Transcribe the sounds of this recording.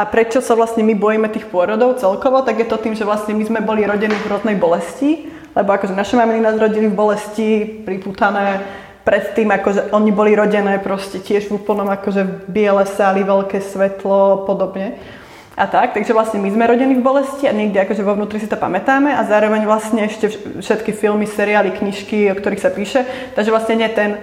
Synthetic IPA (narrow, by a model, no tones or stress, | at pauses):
ʔapɾɛt͡ʃɔsaʋlast̪ɲɛmibɔjimɛt̪iːxpʊɔɾɔd̪ɔʊt͡sɛlkɔʋɔt̪aɡjɛt̪ɔt̪iːmʒɛʋlast̪ɲɛmizmɛbɔliɾɔɟɛniːvɾɔd̪nɛjbɔlɛsci | lɛbɔakɔʒɛnaʃɛmamininaːzɾɔɟilivbɔlɛscipɾiput̪anɛː | pɾɛt̪ːiːmakɔʒɛʔɔɲibɔliɾɔɟɛnɛːpɾɔscɛcɪɛʒvuːpl̩nɔmakɔʒɛbɪɛlɛːsaliʋɛlkɛːsʋɛt̪lɔpɔd̪ɔbɲɛ | ʔat̪ak̚t̪aɡʒɛʋlasɲɛmizmɛɾɔɟɛnivbɔlɛsciaɲɛɡd̪iakɔʒɛʋɔʊnuːt̪ɾisit̪ɔpa̰mɛt̪aːmɛʔazaːɾɔʋɛɲʋlast̪ɲɛɛʃcɛfʃɛt̪kifilmisɛɾiaːlikɲiʃkiɔkt̪ɔɾiːxsapiːʃɛt̪aɡʒɛʋlasɲɛɲɪɛt̪ɛn